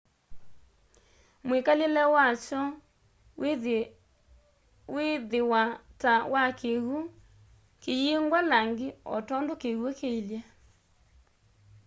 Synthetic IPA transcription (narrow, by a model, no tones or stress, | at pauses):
mwekalelɛwat͡ʃɔ | weðewatawʔakeɣo | kejeŋɡwalaŋɡeɔ̰tɔndokeɣwokeilja